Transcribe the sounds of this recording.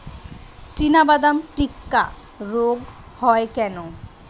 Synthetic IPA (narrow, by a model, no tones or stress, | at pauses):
t͡ɕinabad̪amʈikːa | ɾoɡ | hɔekɛno